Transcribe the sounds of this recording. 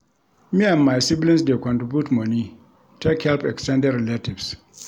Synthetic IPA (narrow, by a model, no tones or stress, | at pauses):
miãmːajsiblĩnsdɛkɔ̃ntɾibjutmoni | tʰekhɛlpɛkstɛ̃ndɛɾɛlativs